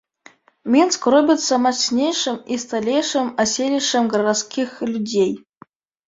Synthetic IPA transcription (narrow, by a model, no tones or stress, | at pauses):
mʲinskrobʲɪt̪sɐmasʲnʲejʂɨmist̪alʲejʂəmasʲelʲijʂəmɡrəɾaskʲixlʲudʲej